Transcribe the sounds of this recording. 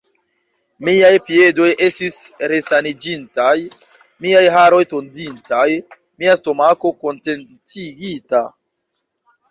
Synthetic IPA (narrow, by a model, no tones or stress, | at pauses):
miajpie̞do̞jʔe̞stisɾe̞sanid͡ʒintaj | miajɦaɾo̞jto̞ndintaj | miasto̞mako̞ko̞nte̞nt͡siɡita̰